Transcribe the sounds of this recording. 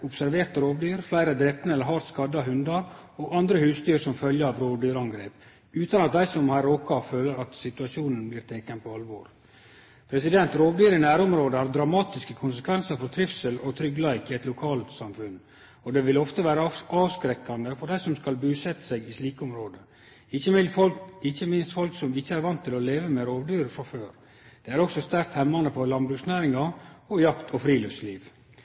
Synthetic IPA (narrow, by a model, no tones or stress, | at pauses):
ʊpsæɾʋeːɾt̪əɾoːʋd̪yːɾflæɪɾəd̪ɾɛpənəɛlːəɾɦɑɾt̪skɑd̪ɑɦʉnd̪ɑɾoɡɑnd̪ɾəhʉːst̪yːɾsɔmfœljəɾɑʋɾoːʋd̪yːɾɑŋɡɾeːp | ʉːt̪ɑnɑt̪̚d̪æɪsɔmhæɾoːkɑføːləɾɑt̪sɪt̪ʉɑʃuːnənblɪːɾt̪ʰeːkənpʰɔɑlʋo̰ːɾ | pʰɾɛsɪd̪ɛnt̪ɾoːʋd̪yːɾənæːɾʊmɾoːd̪əhɑɾd̪ɾɑmɑːt̪ɪskəkʰʊnsəkʰʋɛnsəɾfɔɾt̪ʰɾɪfsəlɔt̪ʰɾʏɡlæɪkɪɛt̪lʊkʰɑːlt̪sɑmfʉn | ɔd̪ɛʋɪlɔft̪əʋæːɾəɑːʋskɾɛkːɑnd̪əfɔɾɖæɪsɔmskɑlbʉːsɛt̪ːə̥sɛɡɪsliːkəʊmɾoːd̪ə | ɪçəmɪɪçːəmɪnst̪fɔlksɔmɪçːəæɾʋɑnt̪ʰːɪlɔleːʋəmɛɾoːʋd̪yːɾəfɾɑføːɾ | d̪̥ɛæɾɔksɔst̪æɾk̚t̪hɛmːɑnəpʰɔlɑnbɾʉksnæːɾɪŋɑɔjɑkt̪ʰɔfɾiːlœfsliːʋ